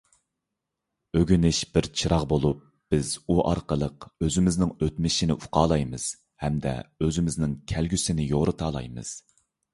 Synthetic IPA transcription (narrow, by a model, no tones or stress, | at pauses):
øɡʲynɪʃb̥ɪɾt͡ʃʰiɾɑʁbolˠup̚ | b̥ɪzuʔɑ̰ɾqəlˠəqøzɪmɪznɪŋøt̪mɪʃinɪʔuqʰɑːlˠɑjmɨz̥ | hɛmd̪ɛ̰øzɪmɪznɪŋkʲʰælɡʲysɪnɪjoɾɨt̪ʰɑːlˠɑ̰jmɨ̰z̥